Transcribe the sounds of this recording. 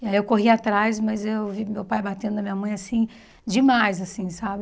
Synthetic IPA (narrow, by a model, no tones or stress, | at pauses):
ɪaiewkoɦiat̪ɾajsmɐzewvimewpajbat̪ẽnd̪ʊd̪ɐmĩɲɐmɐ̃j̃asĩ | d͡ʒimajzasĩsabɪ